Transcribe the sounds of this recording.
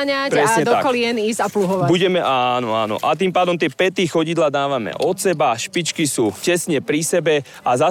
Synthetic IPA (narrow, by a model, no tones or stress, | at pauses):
ɲaɾɾɛsɲɛt̪d̪ɔakɔlɪɛniːzapluɦɔʋabuɟɛmɛʔaːnɔa̰ːnɔ̰ʔat̪iːmpaːd̪ɔmt̪ɪɛpɛt̪iːxɔɟid̪laːd̪aːʋamɛ̰ʔɔt̪sɛbaʃpit͡ʃkisuːcɛsɲɛpɾisɛbɛ | aza